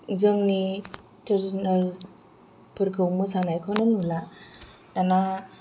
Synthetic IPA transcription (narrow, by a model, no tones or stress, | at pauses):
zɯmni | teɾsnal | pʰɯɾkʰɯwmɯsanajkʰananula | dana